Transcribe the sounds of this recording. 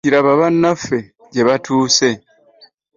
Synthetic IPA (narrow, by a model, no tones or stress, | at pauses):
iɾaβaβanːafe̞ | ɟe̞βatʰuːse̞